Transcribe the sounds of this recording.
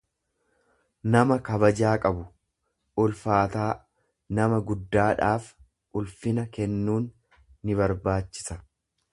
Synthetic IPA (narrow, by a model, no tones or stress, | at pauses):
nɐmɐkɐbɐd͡ʒaːkʼɐbʊ | ʊlfaːt̪aː | nɐmɐɡʊd̪ːaːᶑaːf | ʔʊlfɪnɐkɛnːuːnː | ɪβɐɾbaːt͡ʃːɪ̥sɐ